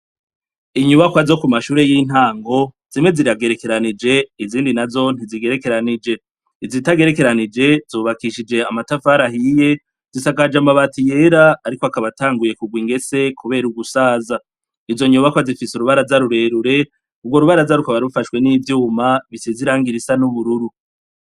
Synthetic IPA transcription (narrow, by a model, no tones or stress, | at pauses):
iɲuβakwazo̞kumaʃuːɾe̞jin̥haːŋɡo̞z̥imwe̞ziɾaɡe̞ɾe̞ke̞ɾanid͡ʒe̞iziːndinazo̞n̥iziɡe̞ɾe̞ke̞ɾanid͡ʒe̞ | izitaɡe̞ɾe̞ke̞ɾanid͡ʒe̞zuːβakiʃid͡ʒeamatafaɾahije̞ | z̥isakad͡ʒamaβatije̞ɾaːɾikoakaβataːŋɡuje̞kuɡwiːŋɡe̞se̞kʰuβe̞ːɾuɡusaːza | izo̞ɲuβakwazifisuɾuβaɾazaɾuɾe̞ːɾuɾe̞ | ub̚ɡwo̞ɾuβaɾazaɾukaβaɾufaʃwe̞nivjuːmaβiseziɾaːŋɡiɾisanuβuɾuɾu